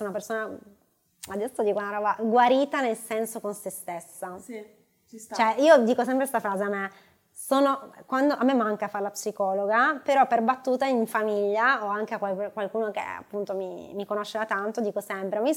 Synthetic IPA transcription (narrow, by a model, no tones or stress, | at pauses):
napersoːna | ad̪ɛsːod̪iːkounaɾɔːbaɡwaɾiːt̪anelsɛnsokonsest̪esːa | t͡ʃoɛiːod̪iːkos̬ɛmpɾest̪afɾaːzeamːe | soːnokwand̪oʔamːemːaŋkafaɾlapsikɔːloɡapeɾɔpːerbat̪ːuːt̪aiɱfamiʎːaoaŋkeakwalkwalkuːnokḛa̰pːunt̪omḭmikonoʃːed̪at̪ant̪od̪iːkosɛmpɾeami